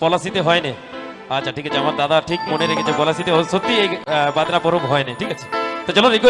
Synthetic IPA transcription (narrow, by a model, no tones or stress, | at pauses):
pɔlasit̪eɦɔene | at͡ɕːʰaʈʰikat͡ɕʰeamand̪ad̪aʈʰik̚moneɾekʰet͡ɕʰepɔlasit̪eoʃot̪ːiejbad̪napɔɾomɦɔeniʈʰikat͡ʃʰe̥t̪ɔd͡ʑɔloɾiko